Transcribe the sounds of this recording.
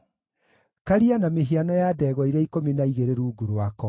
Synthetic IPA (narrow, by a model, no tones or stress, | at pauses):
kaɾianameɦianɔjaːdɛːɣwɔiɾaikominaiɣeɾeɾuːɡuɾoakɔ